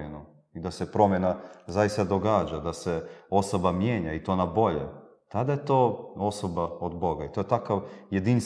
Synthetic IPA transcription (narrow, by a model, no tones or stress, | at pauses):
eno | id̪asepɾo̞mjenazajist̪ad̪o̞ɡaːd͡ʒad̪aseo̞sobamjeːɲait̪o̞ːnabo̞ʎḛ | t̪ad̪ajet̪o̞ːo̞so̞baod̪bo̞ɡait̪o̞jet̪akaʋjed̪ins